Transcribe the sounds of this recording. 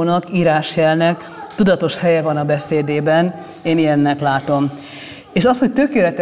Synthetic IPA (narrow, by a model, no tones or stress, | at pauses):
nɒkiːɾaːʃjɛlnɛk | t̪ud̪ɒt̪o̞ʃhɛjɛvɒnɒbɛseːd̪eːbɛn | eːnijɛnːɛklaːt̪o̞m | eːʃɒsho̞c̚t̪ø̞keːlɛt̪ɛ